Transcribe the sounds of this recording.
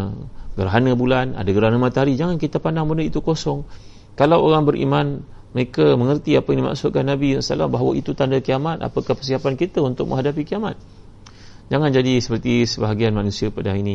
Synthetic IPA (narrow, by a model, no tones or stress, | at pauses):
ɡəɾaɦanəbulana̰daɡəɾaɦanəmat̪aɦaɾid͡ʒaŋankit̪apandaŋbənəit̪ukosɔŋ | kalawoɾaŋbəɾʔḭman | məɾekaməŋərt̪iapainima̰ksʊt̪̚kanːabisa̰la̰mbaɦawait̪ut̪andakiamat̪a̰pakahpərsiapankit̪aunt̪ʊk̚mə̰̃ŋɦadap̬ikiama̰t̪̚ | d͡ʒaŋand͡ʒadisə̥pərt̪isəbaɦaɡianmanũsiapadaini